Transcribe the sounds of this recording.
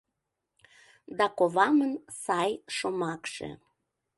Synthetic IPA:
d̪ɑkoβɑmənsɑjʃomɑkʃḛ

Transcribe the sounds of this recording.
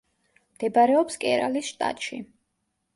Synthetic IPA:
md̪̥ɛbaɾɛɔpskʼɛ̰ɾalisʃt̪ʼa̰t̪ʼʃḭ

